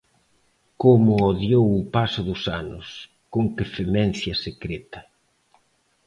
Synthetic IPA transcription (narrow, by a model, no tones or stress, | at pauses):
komʊoðjowʊpasʊðʊsanʊ̰s | koŋkɪfemɛn̟θjɐsekɾɛt̪ɐ